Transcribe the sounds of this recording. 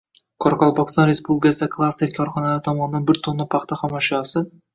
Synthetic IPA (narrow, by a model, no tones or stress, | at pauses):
kʰɒɾqɒlˠpʰɑkst̪ɒnɾe̞spublʲɪkʲasɪd̪akʰlˠast̪e̞ɾkʲʰɒɾχɒnalaɾɪt̪ʰɒmɒnɪd̪anbɪɾt̪ʰonːapʰɑχt̪ʰaχamɒʃɒsɪ